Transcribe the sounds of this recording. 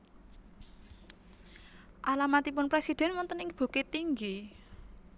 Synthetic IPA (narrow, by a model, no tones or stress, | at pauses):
ʔalamat̪ipʊnpɾesid̪̥ɛ̤nwɔnt̪ənɪŋb̥o̤ket̪iŋɡi